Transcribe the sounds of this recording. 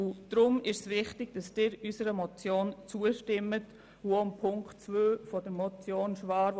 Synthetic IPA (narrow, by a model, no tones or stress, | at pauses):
ʊd̥ɾʊmɪʃsʋɪχtɪɡ̥̚d̥ɑsd̥ɪːɾysəɾəmɔt͡sjoːnt͡suəʃtɪmːət | uompʰʊŋktt͡svøːfɔd̥əmɔt͡sjoːnʃʋɑːɾ